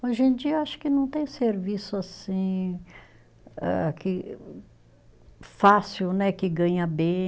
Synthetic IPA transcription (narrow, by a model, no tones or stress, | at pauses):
oʒẽd͡ʒiɐaʃʊ̥kɪnɐ̃w̃t̪ẽj̃seɾvisʊasĩ | ɛ̰kɪ | fasiwnɛkɪɡɐ̃ɲɐbẽ